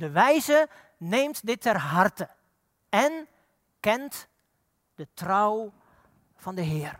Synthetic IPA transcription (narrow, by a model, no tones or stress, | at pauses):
dəʋɛjzə | nejmtdɪtʰːɛrɦɑrtə | ɛn | kɛnt | d̥ətrɔw | v̥ɑndəɦɪːər